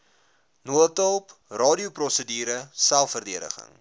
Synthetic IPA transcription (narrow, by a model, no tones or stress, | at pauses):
nuətəlˠprɑːdiuprɔsədiːɾəsælˠfərdiəɾə̰χə̰ŋ